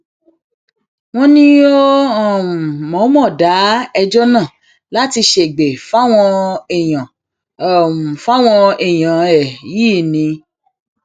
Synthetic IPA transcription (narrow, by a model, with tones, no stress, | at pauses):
w̃ɔ̃˧nĩ˦o˦ɔ˦˨mɔ̃˨˦mɔ̃˦˨da˨˦ɛ˧d͡ʒɔ˦nãː˦˨ | la˦ti˧ʃe˨ɡ͡be˨fa˦w̃ɔ̃˧ɛ˨j̃ã˨ | ɔ˨ũ˨fa˦w̃ɔ̃˧ɛ˨j̃ã˨ɛ˨jiː˦˨nĩ˧